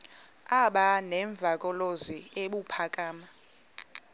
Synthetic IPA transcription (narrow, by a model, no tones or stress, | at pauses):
aɓanɛɱb̪vʱakʼɔlozieɓupʰakʼaːma